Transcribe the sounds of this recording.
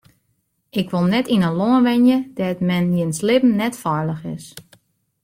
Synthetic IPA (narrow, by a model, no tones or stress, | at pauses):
ʔɪkʋolˠnɛtinənloənʋɛnjəd̥ɛtmɛnjɪnslɪpn̩nɛtfɔɹləxɪ̰s